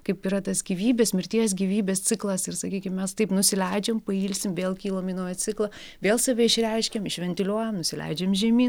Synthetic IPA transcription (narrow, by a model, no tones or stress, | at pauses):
kɐɪpiːɾɐt̪ɐsɡʲiːʋʲiːbʲeːsmʲɪɾʲt̪ʲiɛs̬ɡʲiːʋʲiːbʲeːst͡sʲɪklˠɐsɪrsɐkʲiːkʲɪmmʲɛst̪ɐɪpnʊsʲɪlʲɛɪd͡ʒʲɛːmpɐiːlʲsʲɪmʋʲeːlˠkʲiːlˠominuːjɛt͡s̪ʲɪklˠɐ | ʋʲeːlˠsɐʋʲɛɪʃʲrʲɛɪʃʲkʲɛmɪʃʲʋʲɛnʲt̪ʲɪlʲuɔjɛmnʊsʲɪlʲɛ̰ɪd͡ʒʲeːmʒʲiɛmʲiː